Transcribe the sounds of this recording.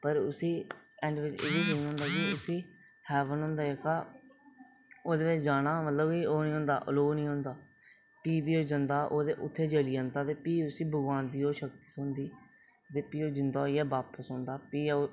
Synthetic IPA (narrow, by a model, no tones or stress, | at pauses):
pəɾʊsĩːɛ̃ːɳɖʋɪt͡ʃɪ̰ʋiːd̪enɦõːnd̪aːkɪʊsĩː | hɛːʋənɦʊ̃ːnd̪aːeːkaː | oːd̪eːʋɪt͡ʃd͡ʒaːɽ̃aːmət̪ləbioːnĩːɦõːnd̪a̰ːʔəloːnĩːɦõːnd̪aː | piːbiːoːd͡ʒənd̪aːʔoːd̪eːʔʊt̪ʰːeːd͡ʒəliːãːnd̪aːt̪eːpiːʊsiːbʱəɡãːnd̪iːoːʃək̚t̪i̥ːsʊnd̪iː | t̪eːpiːoːd͡ʒɪnd̪aːjɛːbaːpəsõːnd̪aːpiː